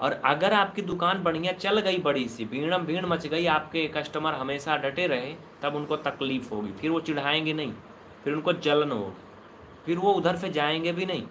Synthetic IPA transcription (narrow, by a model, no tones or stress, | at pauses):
ɔ̰ːɾɐɡəɾaːp̚kid̪ʊkaːnbɐɽ̤ijãt͡ʃɐlɡɐibɐɽ̤isibʱĩːɽ̃ə̃mbʱĩːɽ̃mɐt͡ʃɡɐiaːp̚kekɐʃʈəməɾɦɐmeːʃaɖʱɐʈeɾɐɦẽ | t̪ɐbʊnkot̪ɐkliːfɦo̰ːɡḭfʰɪɾʋot͡ʃɪɽ̤aːẽːɡenɐɦĩː | fʰɪɾʊnkod͡ʒɐlnɦo̰ːɡiː | fʰɪɾʋoʊd̪ʱəɾsed͡ʒaːẽːɡebʱinɐɦḭ̃ː